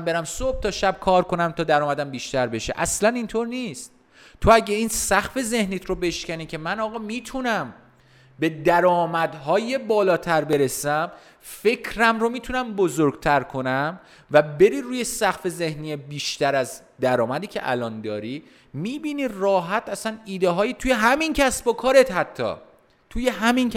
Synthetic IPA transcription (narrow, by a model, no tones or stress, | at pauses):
mbe̞ɾæmsob̚t̪ʰɒːʃæb̚kʰɒːɾkʰo̞næmt̪ʰɒːd̪æɾɒːmæd̪æmbiːʃt̪æɾbe̞ʃḛʔæslænint̪ʰoɾniːst̪̚ | t̪ʰo̞æɟeiːnsæxfe̞ze̞hniːt̪ʰɾobe̞ʃcæniːcʰe̞mænɒːɣɒːmiːt̪ʰunæm | be̞d̪æɾɒːmæd̪ɦɒːje̞bɒːlɒːt̪ʰæɾbe̞ɾe̞sæm | fe̞cʰɾæmɾo̞miːt̪ʰunæmbozoɾɡt̪ʰæɾkʰo̞næm | væbe̞ɾiːɾuːje̞sæxfe̞ze̞hnijebiːʃt̪æɾæz | d̪æɾɒːmæd̪iːcʰḛʔæ̰lɒnd̪ɒːɾiː | miːbiːniːrɒːɦæt̪ʰæsæniːd̪eɦɒːjet̪ʰuːjeɦæmincʰæsbokʰɒːɾe̞t̪hæt̪ʰːɒ̰ː | t̪ʰuje̞ɦæmin